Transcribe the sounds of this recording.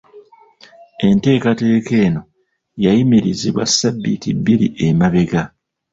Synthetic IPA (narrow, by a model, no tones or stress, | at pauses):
e̞nte̞ːkate̞ːke̞ːno̞ | jajimiɾiziβwa̰sːabːitibːiɾḭʔemaβe̞ɡa